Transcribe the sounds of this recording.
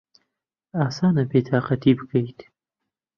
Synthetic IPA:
aːsaːnɐbeːt̪ʰaːqɐt̪ʰibɨkɐjt̪

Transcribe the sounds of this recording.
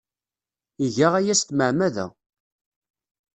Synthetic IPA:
iʝaʁæjæst̪məʕmæðæ̰

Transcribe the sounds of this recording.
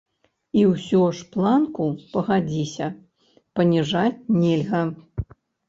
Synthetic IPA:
iwsʲɔʂplˠankupɐɣad͡zʲisʲɐ | pɐnʲiʐat͡sʲnʲɛlʲɣɐ

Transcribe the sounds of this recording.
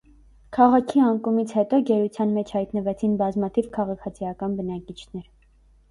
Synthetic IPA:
kʰɑʁɑkʰiɑŋkumit͡sʰhɛt̪ɔɡɛɾut͡sʰjɑnmɛt͡ʃʰhɑjt̪nəvɛt͡sʰinbɑzmɑt̪ʰivkʰɑʁɑkʰɑt͡sʰijɑkɑnbənɑkit͡ʃʰnɛɾ

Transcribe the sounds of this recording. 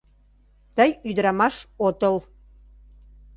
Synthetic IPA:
t̪əjyd̪əɾɑmɑʃot̪əl

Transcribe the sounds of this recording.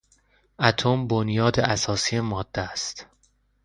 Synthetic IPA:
ʔæt̪ʰombonjɒːd̪eʔæsɒːsijemɒːd̪̥ːææst̪

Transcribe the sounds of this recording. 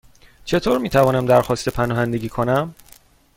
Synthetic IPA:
t͡ʃʰe̞t̪ʰoːɾmiːt̪ʰævɒːnæmd̪æɾxɒːst̪e̞pʰænɒːɦænd̪eɟʲiːkʰo̞næm

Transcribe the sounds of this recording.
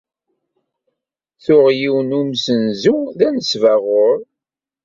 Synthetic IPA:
θʊʁjiwnumsənzuðænəsvæʁʊɾˤ

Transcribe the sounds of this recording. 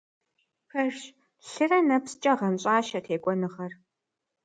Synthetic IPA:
pʰɐrʃ | ɬɨrɐnɐpst͡ʃʼɐʁɐnɕʼɑːʃɐtʰeːkʷʼɔnɨχɐr

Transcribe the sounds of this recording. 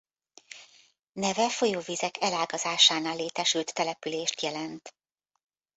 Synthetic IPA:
nɛvɛfo̞joːvizɛkɛlaːɡɒzaːʃaːnaːlːeːt̪ɛʃylt̪ːɛlɛpyleːʃt̪jɛlɛnt̪

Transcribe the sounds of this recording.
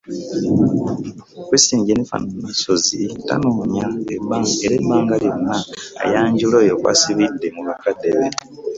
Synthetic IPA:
kwisiːɲɟenifa̰nomaso̞zita̰noːɲaebaeɾebaːŋɡaljonːa̰ːjaːɲɟulojokwa̰siβidːe̞muβakadeβe

